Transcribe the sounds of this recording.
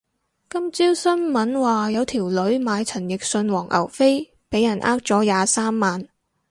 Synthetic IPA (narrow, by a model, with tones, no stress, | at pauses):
kɐ˥mt͡siː˥wsɐ˥nmɐ˨˥nwaː˨jɐ˨˧wt̪ʰiː˨˩wlɵ˨˥ɥmaː˨˧jt͡sʰɐ˨˩njɪ˨k̚sɵ˧nwɔː˨˩ŋʔɐ̰˨˩wfe˥j | pe˨˥jɐ˨˩nʔaː˥k̚t͡sɔː˨˥jaː˨˧saː˥mːaː˨n